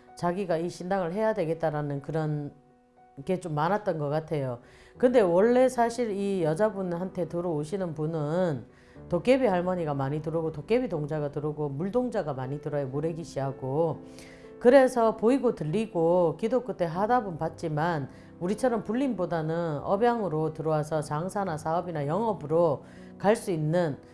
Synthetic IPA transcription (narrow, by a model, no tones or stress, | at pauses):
t͡ɕaɡiɡaiɕʰindaŋɯɭɦe̞jadwe̞ɡe̞t̚t͈aɾanɯnkɯɾʌn | ke̞t͡ɕomːanat̚t͈ʌnɡʌk͈atʰe̞jo | kɯnde̞wʌɭːe̞sʰaɕʰiɾijʌd͡ʑabunhantʰe̞tɯɾooɕʰinɯnpunɯn | tok͈e̞biɦaɭmʌɲiɡamaɲitɯɾɯɡotok͈e̞bitoŋd͡ʑaɡatɯɾɯɡomuɭdoŋd͡ʑaɡamaɲitɯɾʌjomoɾeɡiɕʰiɦaɡo | kɯɾe̞sʰʌpoiɡotɯʎːiɡokidok͈ɯtʰe̞ɦadabunpat̚t͡ɕ͈iman | uɾit͡ɕʰʌɾʌmpuɭːinbodanɯnnʌbjaŋɯɾotɯɾowasʰʌt͡ɕaŋsʰanasʰaʌbinajʌŋʌbɯɾo | kaɭs͈uinːɯn